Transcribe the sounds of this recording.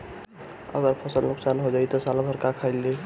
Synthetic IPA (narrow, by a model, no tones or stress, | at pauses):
ə̰ɡəɾpʰəsəlnuksanɦod͡ʒajt̪ɔsalabʱəɾkakʰaɪlːe